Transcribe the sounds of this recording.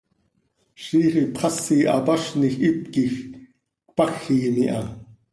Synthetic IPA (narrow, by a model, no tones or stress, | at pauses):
ʃiːχipχɑsiːʔɑ̰pɑʃnixʔit̪̚kix | k̚pɑxːiːmiʔɑ